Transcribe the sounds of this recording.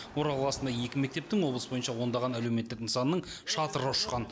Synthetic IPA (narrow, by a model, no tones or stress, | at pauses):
wo̞ɾɑlˠɑlˠɑsənd̪ɑje̞kʲɪme̞k̚t̪e̞pt̪ɪŋwo̞blˠəsəbojənʃɑwo̞nd̪ɑʁɑnælewme̞t̪ːɪkɪnsɑnəːəɴʃɑt̪əɾəʊʃqɑn